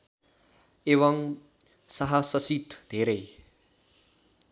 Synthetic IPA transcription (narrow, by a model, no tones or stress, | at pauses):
eʋʌŋ | saɦasʌsit̪d̪̥ʱeɾe